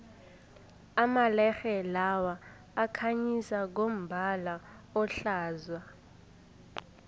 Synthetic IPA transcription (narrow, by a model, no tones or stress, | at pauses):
amalɛxɛlawaː | kʰaɲisak̬om̩bʱala | ɔɬaːzwa